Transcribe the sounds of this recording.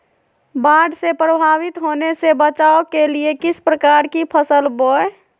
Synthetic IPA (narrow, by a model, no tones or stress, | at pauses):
baɖʱsepɾəbʱaʋit̪ɦonesebət͡ʃaokeliekɪspɾəkaɾkipʰəsəlboe